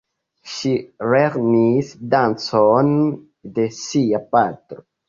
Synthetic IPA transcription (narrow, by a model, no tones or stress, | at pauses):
ʃiɾeɾnisdanson | d̪esiapat̪ɾo